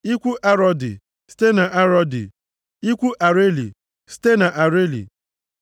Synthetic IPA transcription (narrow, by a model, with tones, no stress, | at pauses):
i˦kʷu˦ʔa˦ɾɔ˦dɪ̰˨ | si̥˦te˦na˨ʔa˦ɾɔ˦dɪ̰˨ | i˦kʷu˦ʔa˨ɾe˦lḭ˨ | si̥˦te˦na˨ʔa˨ɾe˦lḭ˨